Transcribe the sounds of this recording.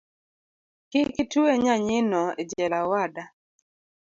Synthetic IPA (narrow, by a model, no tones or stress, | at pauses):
kɪkitueɲaɲɪnɔḛd͡ʒɛlawada